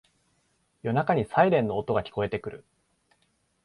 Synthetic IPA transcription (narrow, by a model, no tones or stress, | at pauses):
jo̞nakaɲ̟isaiɾẽ̞nːo̞ːt̪o̞ɡakʲi̥ko̞e̞t̪e̞kɯ̟ɾɯ̟̰